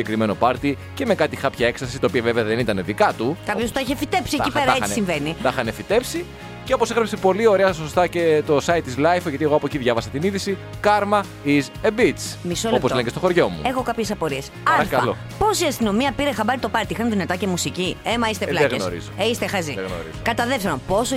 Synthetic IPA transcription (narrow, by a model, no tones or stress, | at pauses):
ekɾimeno̞pɐɾt̪i | cemekɐt̪ixɐpçɐe̞ksɐsist̪ɐopiɐveveɐðenit̪ɐneðikɐt̪ukɐpços̬ut̪ɐiçefit̪e̞psiecipeɾɐeisiɱveniθɐxɐnefit̪e̞psi | ceo̞posexɾɐpsepo̞lio̞ɾeɐs̬ost̪ɐcet̪o̞sɐit̪izlɐjfʝɐt̪ieɣo̞ɐpo̞ciðʝɐvɐsɐt̪iniðisikɐɾmɐ | izebit͡smisolopozleɲɟest̪oxo̞ɾʝo̞mṵexokɐpçe̞sɐpo̞ɾiespɐɾɐfkɐɐlo | po̞siɐst̪ino̞miɐpiɾexɐbɐɾit̪o̞pɐɾt̪iixɐnðinɐt̪ɐce̞musiciemɐist̪elɐɣno̰ɾḭzoeist̪exɐziðeɣno̰ḭzokɐt̪ɐðefseɾopo̞s